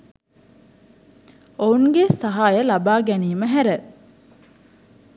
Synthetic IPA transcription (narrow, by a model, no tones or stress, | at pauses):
ouŋɡesɐɦaːjəlabaːɡɛniːməɦæɾə